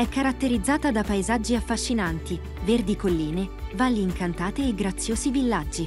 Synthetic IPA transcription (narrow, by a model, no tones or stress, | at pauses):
ɛkːaɾat̪ːeɾid̪zːaːt̪ad̪apaezad͡ʒːiafːaʃːinant̪i | verd̪ikolːiːnevalːiːŋkant̪aːt̪eːɡɾat̪sːjoːzivilːad͡ʒːi